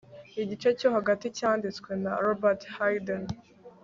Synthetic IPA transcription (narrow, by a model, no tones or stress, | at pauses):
iɟit͡ʃe̞co̞ɦaɡaticaːndit͡skwe̞naɾobaɾthajden